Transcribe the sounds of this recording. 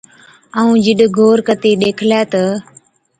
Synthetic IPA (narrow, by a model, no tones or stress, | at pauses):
aːũːd͡ʒɪɗɡʱoːɾkət̪iːɗeːkʰlaːt̪ə